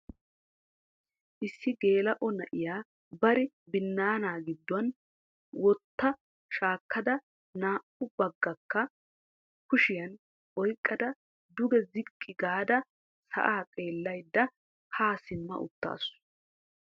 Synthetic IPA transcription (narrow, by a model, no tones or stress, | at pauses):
ʔɪsːɪɡe̞ːlɐʔɔnɐʔɪjaː | bɐɾɪ | bɪnːaːnaːɡɪd̪ːʊwɐn | wɔt̪ːɐ | ʃaːkːɐd̪ɐ | naːʔʊbɐɡːɐkːɐ | kʊʃɪjɐn | ʔɔjkʼːɐd̪ɐ | d̪ʊɡɛzɪkʼːɪɡaːd̪ɐ | sɐ̰ʔaːkʼeːlːɐjd̪ːɐ | haːsɪmːɐ̰ʔʊ̰t̪ːa̰ːsʊ̥